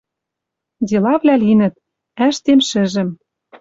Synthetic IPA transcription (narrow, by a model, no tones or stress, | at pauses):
dʲelɑvlʲælinə̆t̪̚ | æʃt̪emʃɘ̆ʒɘ̆m